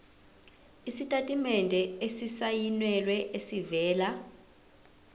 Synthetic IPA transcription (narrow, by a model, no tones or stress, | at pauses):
isitʼatʼimɛndʱɛesisajinwɛlwɛʔesivɛːla